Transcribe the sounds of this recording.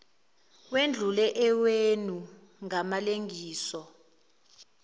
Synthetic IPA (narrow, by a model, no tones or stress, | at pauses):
wend͡ɮʱulɛʔɛwenu | ŋamaleŋʱiːsɔ